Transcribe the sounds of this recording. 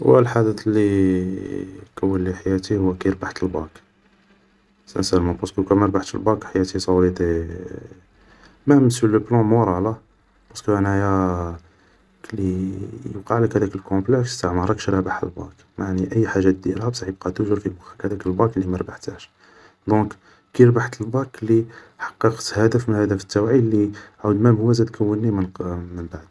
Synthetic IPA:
wæ̰lħad̪ət̪lːi | kæwːəlːiħajæt̪ihʊwːækæjəɾbaħt̪əlbɑk | sə̰sælmɑbɑskukæmæɾˤbaħt̪ə̰lbɑkħajæt̪isˤɑwɾid̪i | mæməsələblɑ̃muɾˤɑʕlæ | b̥ɑskuʔænæjæ | klijəqɑʕləkhæd̪ækəlkɔ̃plɛkst̪aʕmɑɾˤɑkʃɾˤæbaħə̰lbɑ̰̃k | maʕniʔəjːħaʒːæd̪iɾhæbsˤɑħjəb̚qɑt̪uʒəɾfilbʊxəkhæd̪ækəlbɑklːimæɾˤbaħt̪æʃ | d̪ɔ̃k | kiɾbaħt̪əlbɑkli | ħɑ̥qːɑqt̪hæd̪əfmənhæd̪əfə̥t̪ːæwʕilːiʕud̪mæmhʊwæzæd̪kʰəwːənːimənmənbaʕd̪

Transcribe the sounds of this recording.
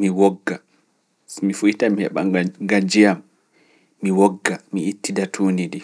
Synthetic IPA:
miwɔɡːa | mifujitamihɛ̰ɓaŋɡad͡ʒijamː | iwɔɡːamiitːidatʰuːnidi

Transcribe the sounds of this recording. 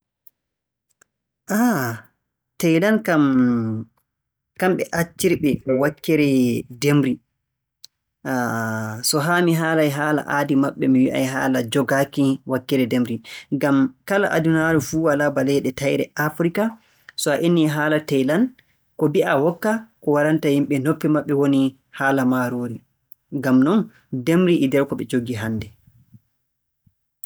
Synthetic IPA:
ʔa | tɛjlankam | kamɓɛ̰ʔat͡ʃːiɾɓɛwakːɛɾɛdemɾi | sɔɦaːmiɦaːlajɦaːla̰ʔaːdimaɓːɛmiwiʔa̰jɦaːlad͡ʒɔɡakiwakːɛɾɛdemɾiɡamkala̰ʔa̰dunaɾufuwalabalɛɗɛtajɾɛ̰afɾika | sɔaʔinːiɦaːlatɛjlan | kɔbiawɔkːakɔwaɾantahimɓɛnopːimaɓːɛwoni | haːlamaɾoːɾi | ŋɡamnɔn | demɾiʔidɛɾkɔɓɛd͡ʒoɡiɦandɛ

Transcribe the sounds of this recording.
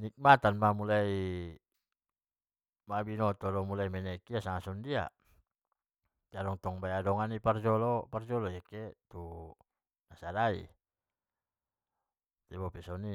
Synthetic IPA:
nik̚mat̪anmamulai | mabinɔt̪ɔdɔmulaimɛnɛkiasaŋasɔndia̰ | d͡ʒaɾɔŋt̪ɔŋbajadɔŋanipard͡ʒɔlɔpard͡ʒɔlɔjekɛt̪u | nasadaḭ | t̪ɛbɔpɛsɔni

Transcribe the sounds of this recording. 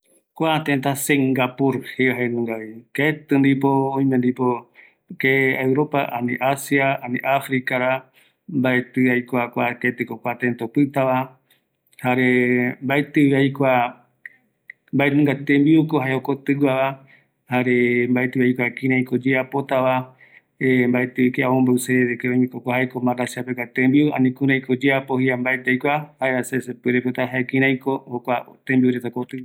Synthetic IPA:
kʷat̪ent̪̬aseŋɡapuɾheɦaenũŋɡaβiket̪ɨnd̪ipoõĩmẽnd̪ipo | keewɾopa̰ʔanḭ̃ʔasjaanḭ̃ʔafɾikaɾa | mbaet̪ɨajkʷakʷaket̪ɨkokʷat̪ent̪opɨt̪aʋa | haɾembaet̪ɨβajkʷa | mbaenɨ̃ŋɡat̪ẽmbiukohaeokot̪ɨwaβa | haɾembaet̪ɨβajkʷakĩɾ̃ãĩkod͡ʒeapot̪aβa | embaet̪ɨikeaõmbawseeɾekeojmĩkokʷaɦaekomãɾasapekat̪ẽmbiua̰nĩkuɾ̃ãĩkod͡ʒeapohiambaed̪ejkʷahaeasesepɨɾepɨt̪aɦaekĩɾ̃ãj̃kohokʷat̪ẽmbiuɾet̪akot̪ɨ

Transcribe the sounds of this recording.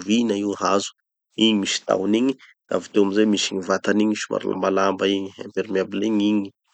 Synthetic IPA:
vinaiwhazu̥ | iɲimisi̥t̪a̰wniɲi | d̪̥a̰vit̪ewamizemisiɲivat̪aniɲisima̰ɾula̰mbalambaiɲia̰mpeɾimiabileɲiɲi̥

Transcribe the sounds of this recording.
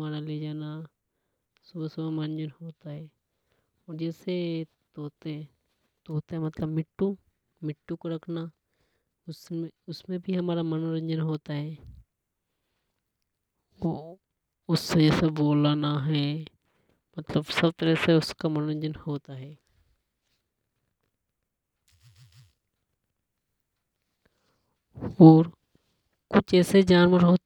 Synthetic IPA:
aːɾaled͡ʒaːna | sʊbsʊbemɐnd͡ʒənhoːt̪aɦɛː | ɔːɾd͡ʒɛːse | t̪oːt̪e | t̪oːt̪eɦɛmɐt̪ləbmɪʈːũ | mɪʈːũkoɾɐkʰna | ʊseʊsmẽbʱiɦɐmaːɾamɐnoɾə̃ɲd͡ʒənɦoːt̪aɦɛː | ʊsːed͡ʒesɐbːoːlanaɦɛː | mɐt̪ləbsɐb̚t̪əɾəseʊskamɐnːə̃ɲd͡ʒənhoːt̪aɦɛː | ɔːɾ | kʊt͡ʃʰɛːsed͡ʒaːnʋəɾɦoː

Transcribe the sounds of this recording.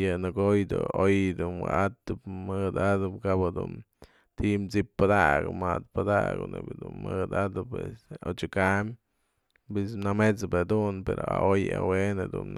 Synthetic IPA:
janɨɡojd̪oojd̪unwaʔat̪ɨbmɨd̪ad̪ɨbkabad̪un | t̪it͡sippːad̪aɡamad̪̚pad̪aɡonebid̪unmɨd̪ad̪ɨpwesot͡ʃakam | bisnamet͡sbed̪unpeɾoaoja̰wened̪un

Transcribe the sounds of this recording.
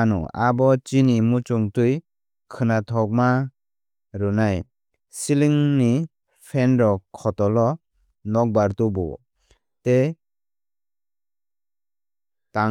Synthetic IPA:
nɔ̰abɔt͡ʃinimut͡ʃuŋtuj | kʰɯnatʰɔk̚ma | ɾɯnaj | siliŋni | pʰɛnɾɔkʰɔtɔlɔ | nɔk̚baɾtubɔ̰ | te | ta

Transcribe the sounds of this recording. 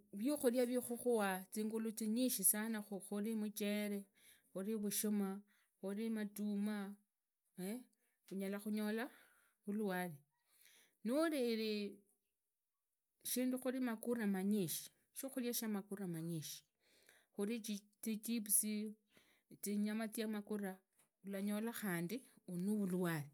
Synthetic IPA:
βjuxuljaβixuxuwat͡siːŋɡulut͡siɲiʃisanaxuxulimut͡ʃeɾe | uɾiβuʃoma | xuɾimatuma | e | uɲalaxuɲola | uluali | nuɾiːɾi | ʃiːnduxulimakuɾamaɲiʃi̥ | ʃoxuljaʃamakuɾamaɲiʃi̥ | xuɾit͡ʃitit͡ʃipsi | t͡siɲamat͡sjamakura | ulaɲo̞laxaːndiunuβulwaːli

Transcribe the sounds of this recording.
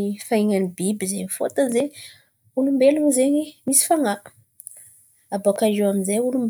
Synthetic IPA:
faiŋanibibizeɲifo̰t̪anzeɲ | ulumbeluŋizeɲimisi̥faŋa | abakaʒewaminzajulumb

